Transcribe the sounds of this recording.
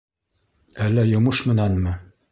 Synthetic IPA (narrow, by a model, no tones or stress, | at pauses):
ælːæjŏmɤʃmɘ̆nænmɘ